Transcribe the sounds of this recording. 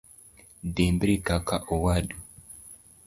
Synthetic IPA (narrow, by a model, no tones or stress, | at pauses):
dembɾikakaʔɔwaɗu